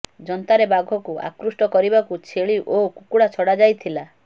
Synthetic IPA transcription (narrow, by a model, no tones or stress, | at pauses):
d͡ʒɔnt̪aɾebaɡʱɔkuʔa̰kɾusʈɔkɔɾibakut͡ʃʰeɭiʔokukuɽat͡ʃʰɔɽad͡ʒajt̪ʰila